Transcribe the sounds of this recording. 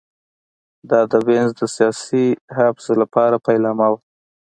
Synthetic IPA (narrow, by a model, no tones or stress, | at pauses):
d̪ɑd̪əbenzd̪əsijɑsihabsəlapɑɾapajlɑmaw